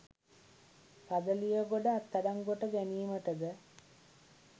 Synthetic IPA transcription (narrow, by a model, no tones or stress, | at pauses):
kad̪əlijəɡoɖəat̪ːaɖaŋɡoʈəɡæniːməʈəd̪ə